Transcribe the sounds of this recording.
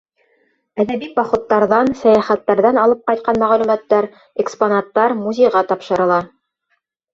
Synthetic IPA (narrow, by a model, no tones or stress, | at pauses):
æðæbibɑχŏt̪ːɑɾðɑnsæjæχæt̪ːæɾðɑnɑlˠɤp̚qɑjt̪̚qɑnmæʁælʉmæt̪ːæɾ | eksponɑt̪ːɑɾmuzʲejʁɑt̪ɑpʃɤ̆ɾɤ̆lˠɑ